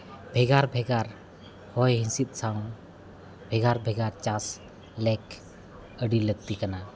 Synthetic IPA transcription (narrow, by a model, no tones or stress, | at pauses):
bʱɛɡaɾbʱɛɡaɾ | hɔjɦĩsit̪̚ˀsaw | bʱɛɡaɾbʱɛɡaɾt͡ʃas | lɛk | əɖiləɡ̚t̪ikana